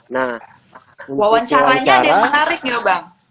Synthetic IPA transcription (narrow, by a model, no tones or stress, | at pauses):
na | wawaɲt͡ʃaɾaɲadiamənaɾɪk̚ɲabaŋ